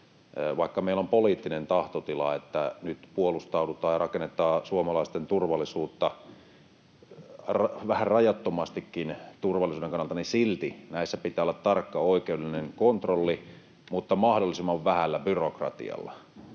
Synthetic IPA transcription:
ʋɑikːɑmeilompoliːt̪ːinent̪ɑht̪ot̪ilɑ̰et̪ːænyt̪puolust̪ɑudut̪ɑːjɑrɑkenːet̪ːˑɑːsuomɑlɑist̪ent̪urʋɑlːisuːt̪ːɑ | rʋæhærrɑjɑt̪ːomɑst̪ikːint̪urʋɑlːˑisuːdeŋkɑnːɑlt̪ɑnisilt̪inæisːæpit̪æːolːɑt̪tɑrkːɑoikeudelineŋkont̪rolːi | mut̪ːɑmɑhdolːisimːɑʋʋæhælːæbyrokrɑ̰t̪ḭɑ̰lːɑ̰

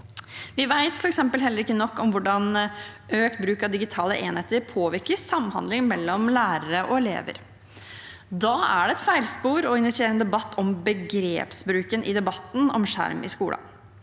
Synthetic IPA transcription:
ʋɪʋæɪt̪fɔɾɛksɛmpəlɦɛlːəɾɪkːənɔkːɔmʋʊɖɑn | øːkt̪̚bɾʉːkɑd̪ɪɡɪt̪ʰɑːləʔeːnheːt̪əɾpʰoːʋɪɾkəsɑmhɑ̰nd̪lɪŋmɛlːɔmlæːɾəɾəʔɔɛlḛːʋə̰ɾ | d̪ɑːæɖɛɛt̪fæɪlspuːɾɔɪnɪsɪeːɾənəd̪ɛbɑt̪ːɔmbəɡɾḛːpsbɾʉːkənʔɪd̪ɛbɑt̪ːn̩ɔ̰mʂæ̰ɾmɪ̰skuːlɑ̰

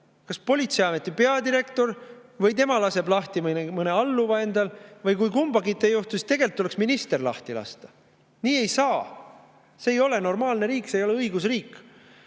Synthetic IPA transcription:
kɑspo̞lʲit̪seɑme̞t̪ːˑipe̞ɑd̪iɾe̞kt̪o̞rvɤjt̪e̞mɑlɑse̞blɑht̪iminemɤne̞ɑlːuvɑe̞nd̪̥ɑlvɯjkujkumb̥ɑɡit̪ːˑejuht̪usi̥st̪e̞ɡ̥e̞lt̪ːule̞ksminist̪e̞rlɑ̰ht̪ilɑ̰st̪ɑ̥ | niːe̞jsɑː | se̞ːjo̞le̞no̞rmɑːlne̞ɾiːksejo̞le̞ɤiɡusriːk

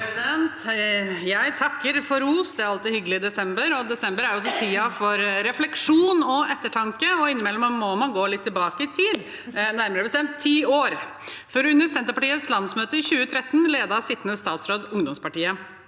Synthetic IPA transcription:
d̪ɛnt̪jæɪt̪ʰɑkːəɾfɔɾuːsd̪ɛæɾɑlt̪ɪhʏɡəlɪɪd̪ɛsɛmbəɾɔd̪ɛsɛmbəɾæɾjʊɔsɔt̪ʰiːɑfɔɾɾɛflɛkʂuːnɔʔɛt̪ːəʈʰɑŋkəɔɪnːəmɛlːɔməmɔmɑnɡoːlɪt̪ʰːɪlbɑːkəɪt̪ʰiːd̪ | næɾməɾəbəst̪ɛmt̪ʰːiːoːɾ | fɔɾʉnːəɾsɛnt̪əpɑʈiːət̪slɑnsmøːt̪əɪɕʉːət̪ʰɾɛt̪ːən̩leːd̪ɑsɪt̪ːənəsːt̪ɑːt̪sɾoːd̪ʊŋd̪ɔmspɑʈiːə

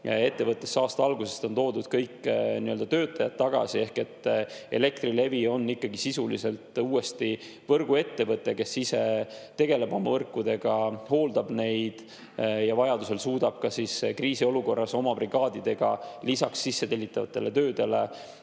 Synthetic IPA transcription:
e̞t̪ːe̞vɤt̪ˑːe̞sːɑːst̪ɑɑlɡuse̞st̪o̞nt̪o̞ːd̪ud̪̥kɤjkːniøld̪ɑt̪ø̞ːt̪ːˑɑjɑt̪̚ːɑɡ̥ɑ̰sie̞hke̞t̪ːˑe̞̰le̞k̚t̪rile̞vio̞nːikːɑɡisisulḭse̞lt̪uːe̞st̪i | vɤrɡ̥ue̞t̪ːe̞vɤt̪ːˑe̞ke̞sːise̞t̪e̞ɡe̞le̞bo̞mɑvɤrkːud̪e̞ɡ̥ɑho̞ːld̪ɑb̥ne̞jd̪̥ | jɑvɑjɑd̪use̞lsuːd̪̥ɑb̥̚kɑsiskriːsio̞luko̞rːɑso̞mɑbriɡ̥ɑːd̪id̪̥e̞ɡ̥ɑ̰lisɑksːisːe̞t̪elʲːit̪ːˑɑvɑ̰t̪ːˑe̞le̞t̪øːd̪e̞le̞

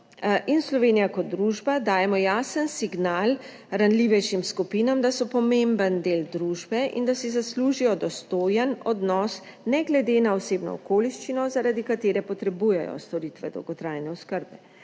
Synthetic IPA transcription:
ʔinslɔʋeːnijakɔt̪̚d̪ɾuːʒbad̪aːjɛmɔjaːsənsiɡnaːl | ɾanliʋɛjʃimskupiːnamd̪asɔpɔmẽmbənd̪eːld̪ɾuːʒbɛʔḭnd̪asizasluːʒijɔd̪ɔst̪oːjənɔd̪nɔs | nɛɡlɛd̪enaɔseːbnɔ̰ɔkoːliʃt͡ʃinɔzaɾad̪ikat̪eːɾɛpɔt̪ɾɛbujɛjɔ̰st̪ɔɾit̪ʋɛd̪ɔ̰wɡɔt̪ɾaːjnɛɔskəɾbɛ

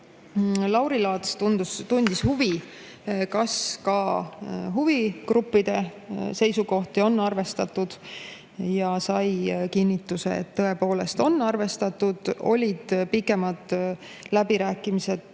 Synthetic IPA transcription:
lɑwɾilɑːt̪st̪und̪ust̪unʲd̪̥ishuvi | kɑskɑ | ɦuvikrupːid̪̥e̞se̞jsuko̞ht̪io̞nːɑrve̞st̪ɑt̪ːud̪̥ | jɑsɑjkinʲːit̪ːˑuse̞̰ḛt̪ːɤe̞po̞ːle̞st̪o̞nːɑrve̞st̪ɑt̪ːud̪̥o̞̰lʲid̪̥pikːˑe̞mɑd̪̥ | læbiɾæːkːˑimise̞d̪̥̚

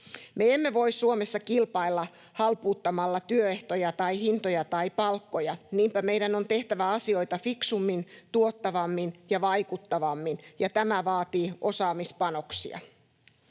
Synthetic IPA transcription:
meemːe̞ʋo̞issuomesːɑkilpɑilːɑ | hɑlpuːt̪ːɑmɑlːɑt̪yøeht̪ojɑt̪ɑihint̪ojɑt̪ɑipɑlkːojɑniːmpæmejdæno̞nt̪e̞ht̪æʋæɑsio̞it̪ɑfiksumːint̪uot̪ːɑʋɑmːinjɑʋɑikut̪ːɑʋɑmːinjɑt̪æmæʋɑːt̪iːʔo̞sɑːmispɑno̞ksḭɑ̰

